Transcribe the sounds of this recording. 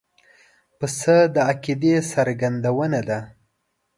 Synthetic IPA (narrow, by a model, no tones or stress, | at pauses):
pəsəd̪əakid̪esaɾɡand̪awənad̪a